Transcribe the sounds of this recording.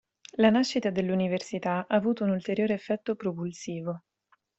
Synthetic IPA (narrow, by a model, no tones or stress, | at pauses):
lanaʃːit̪ad̪elːuniversit̪aʔaːvuːt̪ounult̪eɾjoːɾeːfːɛt̪ːopɾopulsiːvo